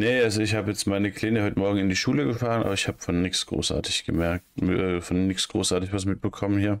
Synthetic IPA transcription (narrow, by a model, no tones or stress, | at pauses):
nəʔalzoɪçhaːbəjɛt͡stmaɪnəkʰl̥eːnəhɔʏtəmɔɐɡŋ̩ɪndiːʃuːləɡəfaːʁənʔa̰ːbɐɪçhaːbə̥fɔnːɪksɡ̥ʁo̰ːsʔa̰ːtɪ̥çɡ̥əmɛɐk̚tʔɛːfɔnːɪksɡ̥ʁoːsʔaɐtɪçvas̬mɪt̚b̥əkʰɔmənhiːɐ